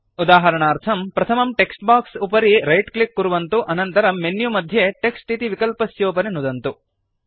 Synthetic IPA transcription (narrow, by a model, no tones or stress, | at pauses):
ud̪aːɦɐɾɐɳaːɾt̪ʰɐmpɾɐt̪ʰɐmɐmʈeksʈbaːksupɐɾiɾɐjʈklikːuɾuʋɐnt̪uʔɐnɐnt̪ɐɾɐmenjumɐd̪ʱjeʈeksʈit̪iʋikɐlpɐsjoːpɐnenud̪ɐnt̪u